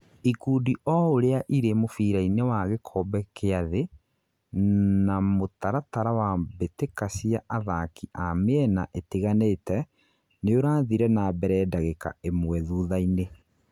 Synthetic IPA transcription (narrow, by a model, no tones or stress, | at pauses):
ikuːdiʔɔoɾeaʔiɾemofiːɾainewaɣekʰɔbɛkʰeaðe | namotaɾataɾawabetekasiaʔaðakiʔameɛna̰ʔeteɣaneːtɛ | neoɾaːðiɾɛnabɛɾɛːdaɣeka̰emwɛðuːðaine